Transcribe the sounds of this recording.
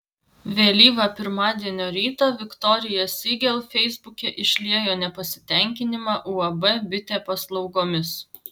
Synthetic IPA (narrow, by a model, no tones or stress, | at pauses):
ʋʲeːlʲiːʋɐpʲɪɾmɑːd̪ʲiɛnʲoːɾʲiːt̪oːʋʲɪkt̪ɔɾʲɪjɛsʲiɡʲɛlˠfʲɛɪzbʊkʲɛʔɪʃʲlʲiɛjoːnʲɛpɐsʲɪ̥t̪ʲɛˑŋʲkʲɪnʲɪmɑːʔuɐbɛbʲɪt̪ʲeːpɐslˠɒʊɡoːmʲɪs